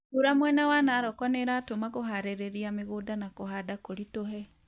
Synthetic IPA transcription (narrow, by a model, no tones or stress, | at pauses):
uɾamwɛnawanaːɾɔkɔneɾaːtomakoɦaɾeɾeɾiameɣodanakoɦadakoɾitoɦɛ